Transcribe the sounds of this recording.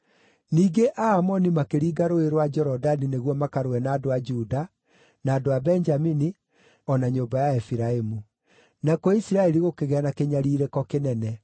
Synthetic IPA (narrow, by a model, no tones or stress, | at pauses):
niːɡeʔaːmɔnimakeɾiːɡaɾoeɾwad͡ʒɛɾɔdanineɣwɔmakaɾowɛnaːdoad͡ʒuda | naːdoabɛɲd͡ʒamini | ɔnaɲoːmbajaefiɾaemu | nakoisiɾaɛɾiɣokeɣeɛanakeɲaɾiːɾɛkɔkenɛnɛ